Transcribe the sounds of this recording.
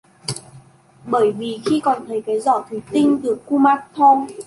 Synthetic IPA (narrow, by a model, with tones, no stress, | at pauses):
ɓəː˧˩jvi˨˩xi˧kɔ˨˩nt̪ʰə˨˦jkaː˨˦jzɔ˧˩t̪ʰwi˨˦t̪ï˧ŋ̟ɗɨ˨˩əkːu˧maː˧˥t̚t̪ʰo˧m